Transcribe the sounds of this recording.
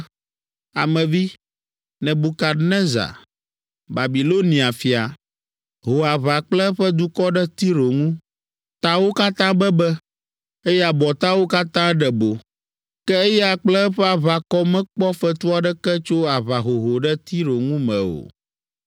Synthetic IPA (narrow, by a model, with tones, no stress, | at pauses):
a˨mɛ̃˨vi˦ | nɛ̃˨bu˨ka˨nɛ̃˦za̰˨ | ba˨bi˨lo˦nĩ˨a˨fi˨a˨ | ɦo˨a˨βa˨k͡plɛ˦ɸɛ˦d̪u˦kɔ˦ɖɛ˦t̪i˦ɾo˨ŋũ˦ | t̪a˦wo˦ka˦t̪ã˦bɛ˦bɛ˦ | e˦jɛ˦a˨bɔ˨t̪a˦wo˦ka˦t̪ã˦ɖɛ˨bo˨ | kɛ˦e˦jɛ˦a˨k͡plɛ˦ɸɛ˦a˨βa˨kɔ˦mɛ̃˦k͡pɔ˦fɛ˦t̪u˦a˨ɖɛ˦kɛ˦t͡ʃo˦a˨βa˨ɦo˨ɦo˨ɖɛ˦t̪i˦ɾo˨ŋũ˦mɛ̃˨o̰˨